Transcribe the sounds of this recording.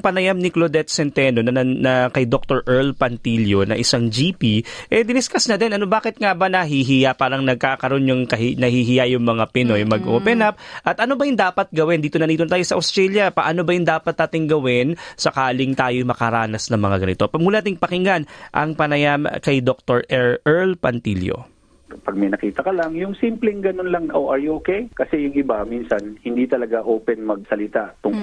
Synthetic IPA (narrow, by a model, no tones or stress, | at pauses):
pɐnɐjamnɪklod̪ɛt̪̚sɛnt̪ɛno̞nɐnɐkɐjd̪ok̚t̪oɹʔɛɹlpɐnt̪iljo̞nɐ̰ʔɪsaŋd͡ʒiːpiʔɛd̪ɪnɪskɐsnɐd̪ɛnʔɐnobaːkɪt̪̚ŋabɐnɐɦiɦɪjapaːɾɐŋnɐɡ̚kaːkɐɾo̞njʊŋkɐɦnɐhiɦɪjajʊŋmɐŋapɛnojmɐɡʔoːpɛnɐp̚ʔɐt̪ʔɐno̞bɐjʊnd̪aːpɐt̪̚ɡɐwɛnd̪iːt̪onɐniːt̪ont̪aːjosɐʔɐwst̪ɾɛljɐpɐʔano̞bɐjʊnd̪aːpɐt̪̚d̪aːt̪ɪŋɡɐwɪnsɐkaːlɪŋt̪aːjojmɐkɐɾaːnɐsnɐŋmɐŋaɡɐnɪt̪o̞pɐmuːlɐnat̪ɪŋpɐkɪŋanʔɐ̰ŋpɐnɐjaːmɐ̰kɐjd̪ok̚t̪oɹʔɛɹɛɹlpɐnt̪iljo̰ | pɐɡ̚mɐjnɐkiːt̪ɐkɐlɐŋjʊŋsimplɛŋɡɐnonlɐŋʔoʔaɹoːkɛjkɐsɛjʊŋɪbamiːnsɐnhɪnd̪it̪ɐlɐɡaʔoːpɛnmɐɡ̚sɐlɪt̪aʔt̪ʊŋ